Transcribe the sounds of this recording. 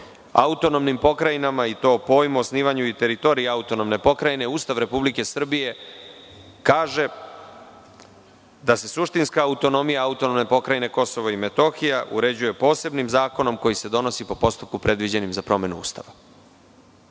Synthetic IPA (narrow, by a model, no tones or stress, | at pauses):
a̰ut̪o̞nomnimpo̞kɾajinamait̪o̞ːpo̞ːjmuosniːʋaɲuit̪e̞ɾit̪o̞ːɾijeaut̪o̞no̞mne̞po̞kɾajne̞uːst̪aʋɾe̞publike̞sr̩bije̞ | kaːʒe̞ | d̪ase̞suʃt̪inskaːut̪o̞no̞mijaaut̪o̞nomne̞po̞kɾajine̞ko̞so̞ʋoime̞t̪o̞xijaʔṵɾe̞d͡ʑuje̞po̞ːse̞bnimzaːko̞no̞mko̞jise̞d̪o̞no̞sipo̞po̞st̪up̚kupɾe̞d̪ʋid͡ʑe̞nimzapɾo̞me̞nṵṵːst̪aʋa